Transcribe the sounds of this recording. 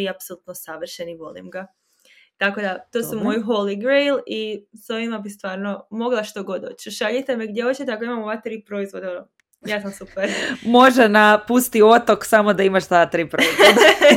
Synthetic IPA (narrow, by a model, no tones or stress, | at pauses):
iapsolut̪nosaʋr̩ʃeniʋo̞lḭmɡa | t̪ako̞d̪at̪o̞ːsumo̞jiɦo̞liɡɾejliso̞ʋimabist̪ʋaːɾnomo̞ɡlˠaʃt̪oɡo̞d̪o̞ːt͡ɕʃaʎit̪emeɡd̪jeot͡ɕet̪eakoimamoʋat̪ɾiːpɾo̞izʋod̪eoo | jaːsamsupeɾmo̞ʒenapust̪iot̪o̞ksamo̞d̪aimaʃt̪at̪ɾiːpɾo